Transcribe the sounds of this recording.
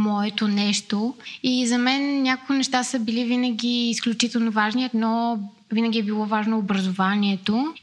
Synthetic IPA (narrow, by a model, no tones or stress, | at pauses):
mɔɛt̪onɛʃt̪oizɐmɛnːʲakokinɛʃt̪asəbilivinəɡʲiːsklʲut͡ʃit̪ɛlˠnovaʒniət̪nɔ | vinəɡ̟ʲiɛbilˠɔvaʒnoːbɾɐzovaniɛt̪o